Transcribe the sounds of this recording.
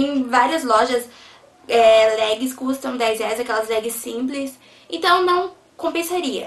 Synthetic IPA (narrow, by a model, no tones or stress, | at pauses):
ẽj̃vaɾiɐzlɔʒɐs | ɛlɛɡɪskust̪ɐ̃w̃d̪ɛjzɛzɐkɛlɐzlɛɡɪsːĩplɪs | ẽnt̪ɐ̃w̃nɐ̃w̃ | kõmpẽsaɾiɐ̰